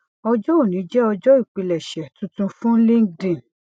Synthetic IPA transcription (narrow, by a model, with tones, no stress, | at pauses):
ɔ˧d͡ʒɔ˦o˦˨nĩ˨˦d͡ʒɛ˦ɔ˧d͡ʒɔ˦i˦˨k͡pi˧lɛ˨ʃɛ˨tũ˨˧tũ˧fũ˦lĩ˦ŋ˦dĩ˨